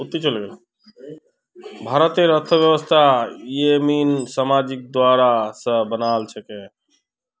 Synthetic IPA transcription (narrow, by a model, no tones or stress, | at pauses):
ut̪ːit͡ʃəlɡel | bʱaɾət̪ieɾət̪ʰːəbjəbəst̪ʰaeminsamad͡ʒik̚d̪waɾasə̃bənalt͡ʃʰɛke